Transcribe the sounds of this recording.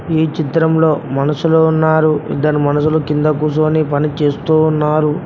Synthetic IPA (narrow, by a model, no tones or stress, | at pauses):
iːt͡ʃit̪ɾɐmlo̞ːmɐnɐsuluunːaːɾuḭd̪ɐnimɐnɐs̬ulukind̪ɐkuːs̬oːnipɐnit͡ʃe̞ːst̪uːnːaːɾu